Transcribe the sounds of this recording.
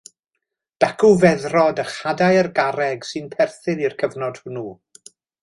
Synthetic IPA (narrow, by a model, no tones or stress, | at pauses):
d̥akʰuvɛðrɔdəχadajərɡaɾɛɡsɨnpʰɛrθɨnirkʰəvnɔd̥hʊnu